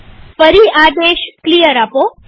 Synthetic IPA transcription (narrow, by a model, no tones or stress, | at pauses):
fəɾiad̪eʃklijəɾapo